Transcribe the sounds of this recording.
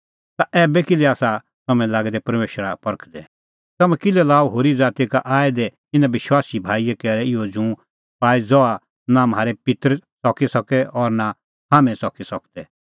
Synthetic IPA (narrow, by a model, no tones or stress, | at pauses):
t̪aʔɛːbɛkɪlɛaːsa | t̪ɐmɛ̃laːɡɛd̪ɛpɐɾmeːʃɾapɐɾəkʰd̪ɛ | t̪ɐmɛ̃kɪlɛlaːoɦoːɾid͡zaːt̪ikaʔaːɛd̪ɛ | ɪnãʋɪʃwaːsibʱaːijekɛːɾɛɪjod͡ʒũ | paːid͡zɔa | namɦaːɾepɪt̪ɾsɔkisɐkɛʔɔɾna | haːmɛ̃sɔkisɔkd̪ɛ